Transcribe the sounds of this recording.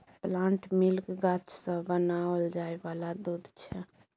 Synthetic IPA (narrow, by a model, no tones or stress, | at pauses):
plãɳʈmilkɡat͡ʃsə̃bənaəld͡ʒaɛbalad̪ud̪t͡ʃʰɛ